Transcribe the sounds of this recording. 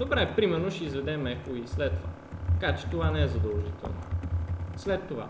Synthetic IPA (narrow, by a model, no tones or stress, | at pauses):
d̪obɾɛpɾimɛɾnoʃɛizvɛd̪ɛmɛkoislɛt̪t̪ːova̰ | t̪kat͡ʃɛ̥t̪ovanɛɛzɐd̪ɐvˠʒit̪ɛ̰lˠno̰ | slɛt̪ːova̰